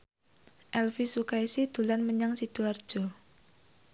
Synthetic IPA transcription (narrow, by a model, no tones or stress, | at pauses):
ʔɛlfisukaisid̪̥ulanməɲaŋsid̪̥uard͡ʒ̥o